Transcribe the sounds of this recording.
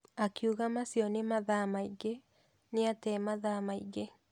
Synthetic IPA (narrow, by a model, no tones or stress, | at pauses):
akiuɣamasiɔnemaðamaiɣe | neatɛmaðamaḭɣe